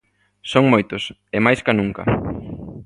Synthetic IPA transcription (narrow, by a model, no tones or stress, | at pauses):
soŋmojt̪ʊs | emajskanũŋkɐ̰